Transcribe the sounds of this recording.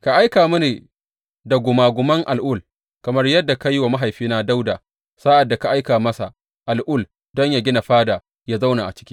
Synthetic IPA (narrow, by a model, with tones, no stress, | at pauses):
ka˨ʔa˦jkaː˨mʊ˦neː˨ | da˨ɡʷʊ˨maː˨ɡʷʊ˨mɐ˦ŋʔa˨lʔʊ˦˨l | kɐ˨mɐ˦rjɐ˦dːa˨ka˦jwa˨ma˦ɦa˨jɸiː˦naː˦da˦wdaː˨ | saː˦ʔa˨dːa˨ka˨ʔa˦jkaː˨mɐ˦sa̰˨ | ʔa˨lʔʊ˦˨l | dɔ˦ɲja˨ɡʲɪ˦na˨ɸaː˦daː˨ | jaː˦za˦wna˨ʔa̰˨t͡ʃɪ̥˦kʲi̥ː˦